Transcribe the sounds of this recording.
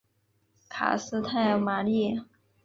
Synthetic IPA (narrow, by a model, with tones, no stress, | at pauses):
kʰa̰˨˩sɹ̩˥t̪ʰa˥˩ɪma˨˩li˥˩